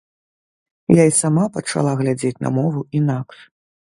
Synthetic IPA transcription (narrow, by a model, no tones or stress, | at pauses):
jaisamapɐt͡ʂa̰lˠaɣlʲad͡zʲet͡sʲnɐ̰mɔvuinakʂ